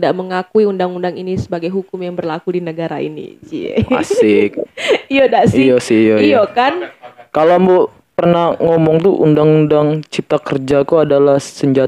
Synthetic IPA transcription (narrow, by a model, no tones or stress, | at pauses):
daʔməŋakuiundaŋundaŋinisəbaɡajɦukʊmjaŋbərlakudinəɡaɾa̰ḭnḭd͡ʒḭa̰sɪk̚ijodasɪjasɪjojokankalombo | pərnaŋomɔŋt̪uʔundaŋundaŋt͡ʃip̚t̪akərd͡ʒakuadalahsəɲd͡ʒa